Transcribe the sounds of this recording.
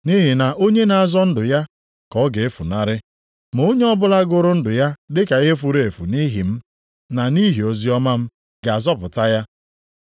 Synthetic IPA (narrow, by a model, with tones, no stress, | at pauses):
ni˦ɦi˨na˨ʔo˦ɲe˦na˨a˨zɔ˦n̩˦dʊ˨ja˦ | kɔ˨˦ɡe˨e˦fu˨na˦˨ɾɪ˦ | m˨o˦ɲe˦ɔ˦bʊ˦la˦ɡʊ˦ɾʊ˦n̩˦dʊ˨ja˦dɪ˦ka˨i˦ɦe˦fu˨ɾe˨e˨fu˨ni˦ɦi˨m̩˦ | na˨ni˦ɦi˨o˨zi˦ɔ˦ma˦m̩˦ | ɡa˨a˨zɔ˦pʊ˨ta˦ja˦